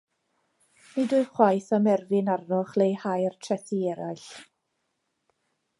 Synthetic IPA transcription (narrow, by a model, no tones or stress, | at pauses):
nidʊɨχwajθɔmɛrvɪnarnɔχlejhajrtʰrɛθiɛɾajɬ